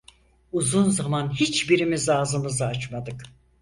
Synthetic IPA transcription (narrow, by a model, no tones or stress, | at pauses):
uzunzamanɦit͡ʃbiɾimizlaːzɯmɯzaat͡ʃmad̪ɯk